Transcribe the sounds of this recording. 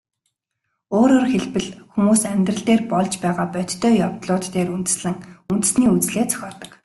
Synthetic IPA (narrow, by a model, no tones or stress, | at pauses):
oːɾoːrxeɮpɘ̆ɮxumuːsæmʲt̪rə̆ɮt̪eːrpɔɮt͡ɕpæːʁaːpœt̪ːʰœːjɔwt̪ɮʊːt̪ːeːɾunt̪ɘ̆sɮɘ̆ŋunt̪ɘ̆sniːut͡sɮeːt͡sʰœ̥xʲɔːrt̪ə̆k